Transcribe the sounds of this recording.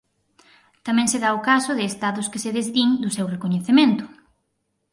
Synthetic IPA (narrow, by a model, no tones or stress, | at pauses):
t̪amɛ̃ŋseðaʊkasʊðɪːst̪aðʊskɪseðezðiŋd̪ʊsewrekoɲeθemẽnt̪ʊ̥